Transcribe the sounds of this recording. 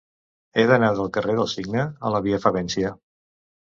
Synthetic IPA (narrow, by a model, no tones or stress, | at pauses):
eðənaðəlˠkəreðəlˠsiɡnəə̰ləβiəfəβɛnsiə